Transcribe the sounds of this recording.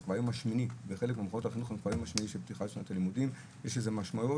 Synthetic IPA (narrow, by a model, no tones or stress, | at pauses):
kvajomaʃminiveχe̞lekmeamχonot̪aχinoχankvajomaʃminiʃebt̪ixalefunat̪alimud̪im | jeʃezemaʃmau